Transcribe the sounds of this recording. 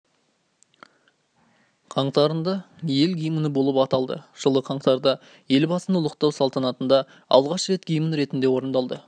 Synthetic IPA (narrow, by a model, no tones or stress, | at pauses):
qʰɑɴt̪ɑɾənd̪ɑ | je̞lɡʲijmənəbo̞lˠəpɑt̪ɑlˠd̪ə̰ʒ̥əlˠəqʰɑɴt̪ɑɾd̪ɑ | je̞lbɑsənəlˠəqt̪ɑwsɑlˠt̪ɑnɑt̪ənd̪ɑ | ɑ̰lˠʁɑʃɾe̞t̪ɡʲijmənɾe̞t̪ɪnd̪e̞wo̞ɾənd̪ɑlˠd̪ə